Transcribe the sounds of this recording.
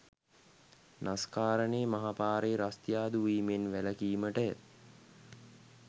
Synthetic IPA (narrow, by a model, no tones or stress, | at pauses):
naskaːɾəneːmaɦapaːɾeːɾast̪jaːd̪uʋiːmenʋæləkiːməʈə